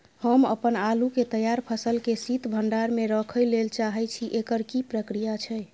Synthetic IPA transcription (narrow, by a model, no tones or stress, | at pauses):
həmə̰pənaluket̪əjaɾpʰəsəlkesit̪bʱəɳɖaɾmeɾəkʰəjlelt͡ʃaɦɛt͡ʃʰiʔekəɾkipɾəkɾijat͡ʃʰə